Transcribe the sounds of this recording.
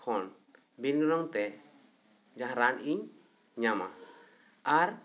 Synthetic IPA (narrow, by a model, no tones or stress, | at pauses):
kʰɔn | binɡɾɔŋt̪ɛ | d͡ʒaɦãɾaniɲ | ɲama̰ | aɾ